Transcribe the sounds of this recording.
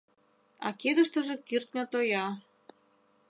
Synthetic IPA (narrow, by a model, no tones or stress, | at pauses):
ɑ̰ked̪ə̆ʃt̪ə̆ʒĕkirt̪nʲət̪ojɑ